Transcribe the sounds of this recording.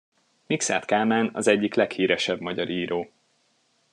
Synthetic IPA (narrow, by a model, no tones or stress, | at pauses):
miksa̰ːt̪kaːmaːnɒ̰zɛɟːiklɛkhiːɾɛʃɛbmɒɟɒɾiːɾoː